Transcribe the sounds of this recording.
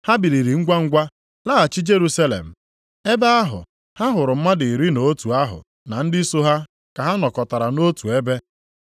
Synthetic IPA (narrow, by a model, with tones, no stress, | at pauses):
ha˦bi˨ɾi˨ɾi˨ŋ̩˦ɡʷa˦ŋ̩˦ɡʷa˦ | la˦a˨t͡ʃɪ˦d͡ʒe˦ɾu˦sa˦lḛ˨m̩˨ | e˦ba˦a˦ɦʊ̰˨ | ha˦ɦʊ˨ɾʊ˨m̩˦ma˦dɪ˨ɾi˦no˨˦tu˨a˦ɦʊ̰˨ | na˨n̩˦dɪ˦so˦ɦa˦ | ka˨ɦa˦nɔ˨kɔ˨ta˨ɾa˨no˦tu˨e˦be˦